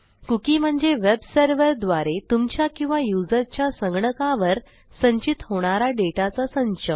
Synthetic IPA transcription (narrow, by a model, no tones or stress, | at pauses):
kukiːm̤əɳd͡zeʋebsəɾʋəɾd̪ʋaɾet̪umt͡ɕjakĩw̃ʋajud͡zəɾt͡ɕjasəŋɡɳəkaʋəɾ | səɲt͡ɕit̪hoɽ̃aɾaɖeʈat͡sasəɲt͡ɕə